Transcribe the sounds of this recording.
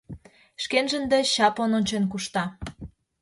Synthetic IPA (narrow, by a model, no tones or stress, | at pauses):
ʃkenʒə̆nd̪ĕɕɑpononʲt͡ɕenk̬uʃt̪ɑ